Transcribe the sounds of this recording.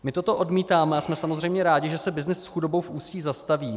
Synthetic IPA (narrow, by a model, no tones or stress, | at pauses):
mɪt̪o̞t̪o̞ʔo̞dmiːt̪aːmɛasmɛsamozrɛjmɲɛɾaːɟɪʒɛsɛbɪznɪsːxudo̞bowfʔuːsciːzast̪aviː